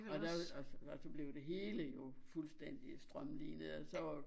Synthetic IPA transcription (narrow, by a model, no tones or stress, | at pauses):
ɒd̥æɒsɒ̽b̥le̝ʊd̥e̝ɦe̝ːləjo̝fulsd̥en̰d̥isd̥ʁɶmlḭːnəð̩ˠɒsɒ̽ʋɑ